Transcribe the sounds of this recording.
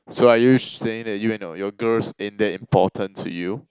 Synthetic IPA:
soajuseɪ̃ŋdɛt̚juɛ̃nojɔɡɜlsẽndɛtĩmpɔtʰə̃ntʰːṵju

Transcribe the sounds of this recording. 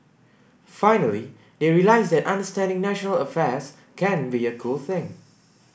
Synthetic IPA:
fãɪnəli | deɹilaɪsdɛtʔãndəstɛ̃ndɪ̃ŋnɛʃənələfɛs | kʰɛ̃nbiəkʰulˠθɪ̃ŋ

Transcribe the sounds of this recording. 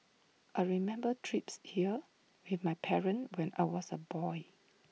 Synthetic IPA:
ʔajɹimɛ̃mbətʰɹipshiə | wiθmajpʰɛɹə̃nwɛ̃nʔa̰jwɔsəbɔj

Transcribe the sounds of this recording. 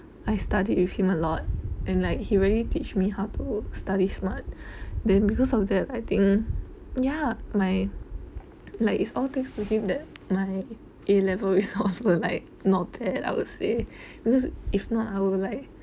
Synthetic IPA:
ʔaɪstadid̚wifhĩməlɔt̚ʔɛ̃nlaɪk̚hiɹiəlitit͡ʃmihaʊtʰustadismat̚dɛ̃nbikɔsɔfdɛtaɪt̪ĩŋk | jamaɪ | laɪkisɔlt̪ɛ̃kstusĩmdɛt̚maɪ | ʔelɛvə̃nɹisɔlsolaɪk̚nɔt̚d̪̥ɛta̰ɪwudse | b̥ikɔsifnɔtaɪwəlaɪk̚

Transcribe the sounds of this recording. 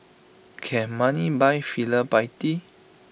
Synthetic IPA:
kʰɛmãnibajfiləpajti

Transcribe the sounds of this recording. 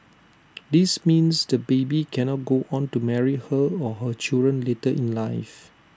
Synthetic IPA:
dismĩnsdəbebikʰɛnɔt̚ɡoʔɔ̃ntumɛɹihəɔɦət͡ʃildɹə̃nletəʔĩnlaɪf

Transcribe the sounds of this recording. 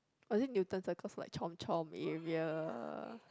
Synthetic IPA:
ʔatĩŋnjut̪ə̃nsəkəsla̰ɪk̚t͡ʃʰɔ̃mt͡ʃʰɔ̃mɛɹiə

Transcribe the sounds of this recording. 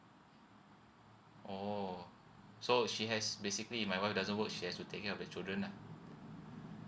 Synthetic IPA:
ʔo | soʃiɦɛsbesiklimajwajfdazə̃nwək̚ʃihɛstutʰekʰɛɹɔfdət͡ʃildɹə̃nla

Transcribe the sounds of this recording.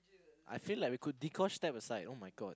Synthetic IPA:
ʔa̰jfilaɪk̚wikʰud̚dikʰɔʃstɛpəsaɪdomaɪɡɔ̰d̥̚

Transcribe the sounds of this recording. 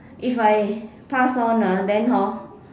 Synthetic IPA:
ʔifajpʰasɔnad̪ɛ̃nɦɔ

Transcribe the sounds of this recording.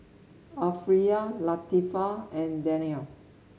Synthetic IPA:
afɹialatifaɛ̃ndɛ̃nəl

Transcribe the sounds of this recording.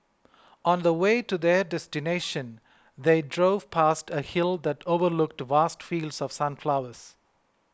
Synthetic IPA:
ɔ̃nd̪əweɪʈud̪əɖɛsʈɪneːʃə̃n | d̪eːɖɾoːv̥pʰaːsʈəhɪlˠd̪æʈʰoːʋəɾlʊkʈʋaːsʈfiːlɖzɔv̥sãnflaʊəz̥

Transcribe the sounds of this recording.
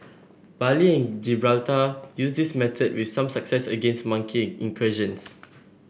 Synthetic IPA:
b̥aliɛ̃nd͡ʒibɹaltajusdismɛt̪ʰəd̚wifsãmsaksɛsə̰ɡẽnstmãŋkʰiĩŋkʰwɛʒə̃ns

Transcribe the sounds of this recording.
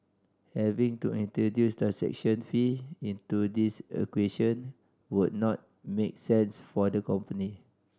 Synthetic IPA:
hɛvĩŋtuĩntɹodjusdəsɛ̰k̚ʃə̃nfiĩntudisḭkweʃə̃n | wud̚nɔt̚ | mek̚sɛ̃nsfɔdəkɔ̃mpəni

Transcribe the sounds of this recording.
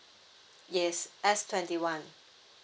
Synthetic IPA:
jɛsæstʰw̥ɛ̃ntiwãn

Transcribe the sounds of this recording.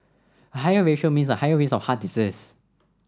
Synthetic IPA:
əɦaɪəɹeʃəmĩnsəhaɪəɹĩnsɔfhat̚dizis

